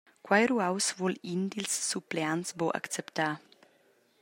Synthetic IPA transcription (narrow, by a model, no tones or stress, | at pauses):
kwajɾuawsvɔlind̪ilsːupleansboʔa̰kt͡sɛpt̪aː